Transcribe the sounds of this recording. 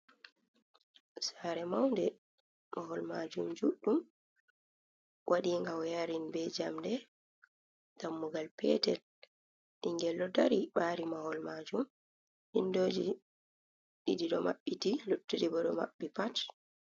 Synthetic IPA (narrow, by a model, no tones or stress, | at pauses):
saɾɛmawndɛ | mahɔlmad͡ʒumd͡ʒuɗːum | wʔaɗiŋɡawjaɾinbɛd͡ʒamdɛ | damːuɡalpɛ̰tɛl | ʔiŋɡɛlːɔdaɾiɓaːɾimahɔlmad͡ʒum | hindoːd͡ʒi | ɗidiɗɔmaɓːitilutːuɗibɔɗɔma̰ɓːipat